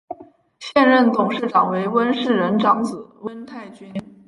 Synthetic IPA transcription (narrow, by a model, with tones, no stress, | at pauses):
ɕjɛ˥˧nɻə˥˩nt̪ʊ˨˩ŋʂɻ̩˥˩ʈ͡ʂɑ˨˩ŋwe˧˥ɪwə˥nʂɻ̩˥˩ɻə˧˥nʈ͡ʂɑ˧˥ŋt͡sɹ̩˨˩˦wə˥nt̪ʰa˥˩ɪt͡ɕy˥n